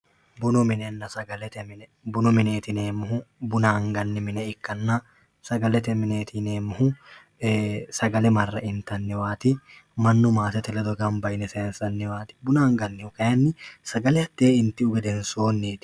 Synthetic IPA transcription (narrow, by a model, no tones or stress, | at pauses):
bʊnɔmɪnɛnːɐsɐɡɐlɛt̪ɛmɪnbʊnɔmɪne̞ːt̪ɪneːmʊhʊbʊnaːŋɡɐnːɪmɪnɛɪkːɐnːɐ | sɐɡɐlɛt̪ɛmɪneːt̪ʰɪneːmːʊhʊ | sɐɡɐlɛmɐrːɐʔɪnt̪ɐnːɪwaːt̪ɪ | mɐnːʊmaːsɛt̪ɛlɛd̪ɔɡɐmbɐjnɛseːnsɐnːɪwaːt̪ɪ̥bʊnaːŋɡɐnːɪʊkɐjɐnːɪsɐɡɐlɛɐt̪ːeːɪnt̪ɪʊɡɛd̪ɛnso̞ːnːeːt̪ɪ̥